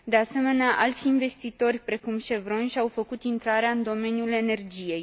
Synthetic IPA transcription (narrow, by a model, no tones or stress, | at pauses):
d̪e̞ase̞me̞neaʔalt̪sʲinve̞st̪it̪o̞rʲpɾe̞kumʃe̞vɾo̞nʃiawfəkut̪int̪ɾaɾeaɨnd̪o̞me̞njule̞ne̞rd͡ʒije̞j